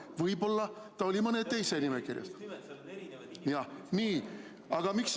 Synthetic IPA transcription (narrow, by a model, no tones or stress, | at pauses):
vɤjbo̞lːɑ | t̪ɑo̞lʲimɤnet̪ːe̞jsenimekirjɑ̰s | jɑniː | ɑɡ̥ɑmiks